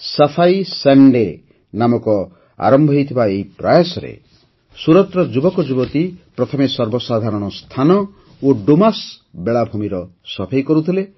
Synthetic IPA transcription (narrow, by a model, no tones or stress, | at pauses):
safʰajsaɳɖe | namɔkɔ | a̰ɾɔmbʱɔɦijt̪ʰibaeipɾajasɔɾḛ | suɾɔt̪ɾɔd͡ʒubɔkɔd͡ʒubɔt̪ipɾɔt̪ʰɔmesɔɾbɔsad̪ʱaɾɔɽ̃ɔst̪ʰanɔ | oɖomasbeɭabʱumiɾɔsɔpʰajkɔɾut̪ʰile